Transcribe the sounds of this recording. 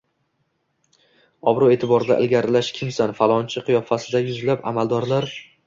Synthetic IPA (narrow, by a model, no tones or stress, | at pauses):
ɒbɾɒe̞t̪ʰɪbɒɾɪd̪a̰ʔɪ̰lɡʲaɾɪlaʃkʲʰɪmsanfalˠɒnt͡ʃʰɪqʰɨjɒfasɪd̪ajʊzlapa̰mald̪ɒɾlaɾ